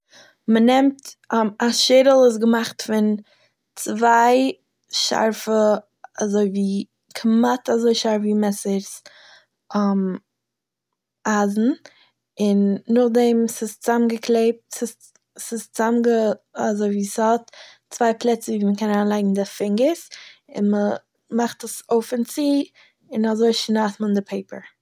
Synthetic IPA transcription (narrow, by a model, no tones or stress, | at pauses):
mənɛmtaʃeːɾl̩ˠɪs̬ɡəmaχtfɪn | t͡svaɪ | ʃa̰ɾfə | azoɪviː | kʰmatazoɪʃaɾfviːmɛsəɾs | am | aːzn̩ | ɪnːʊχdɛmsɪst͡samɡəkʰleɪp̚tsɪs | sɪst͡samɡəazoɪviːshɔt | t͡svaɪpʰlˠɛt͡səviːməkɛnaːnlˠaɪɡŋ̩dɪfɪŋɡəsɪ̰nmə | maχtəsoʊfɪnt͡siː | ɪnazoɪʃnaːtməndɪpʰeɪpə̰ɹ